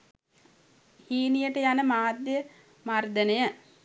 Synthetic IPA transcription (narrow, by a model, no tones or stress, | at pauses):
hiːnijəʈəjanəmaːd̪jə | mard̪ənəjə